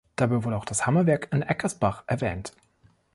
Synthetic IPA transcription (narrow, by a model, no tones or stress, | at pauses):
d̥abaɪvʊdəaʊxd̥ashamɐvɛɐkɪnʔɛkʰɐsb̥aχʔɛ̰ɐvɛːnt